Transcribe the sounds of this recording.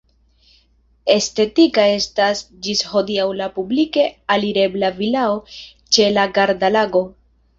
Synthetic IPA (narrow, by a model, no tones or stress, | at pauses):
e̞ste̞tikae̞stas | d͡ʒisho̞diawlapublike̞aliɾe̞blavilao̞ | t͡ʃe̞laɡaɾdalaɡo̞